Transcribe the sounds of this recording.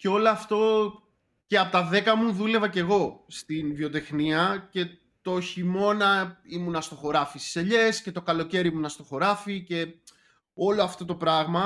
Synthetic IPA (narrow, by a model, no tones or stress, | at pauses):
ceo̞loɐft̪o̞ | ceɐpot̪ɐðe̞kɐmuðule̞vɐce̞ɣo̞st̪invio̞t̪e̞xniɐce̞ | t̪o̞çimo̞nɐimunɐst̪o̞xo̞ɾɐfisti̥seʎe̞sce̞t̪o̞kɐlo̞ce̞ɾimunɐst̪o̞xo̞ɾɐfice̞ | o̞lo̞ɐft̪o̞t̪o̞pɾɐɣmɐ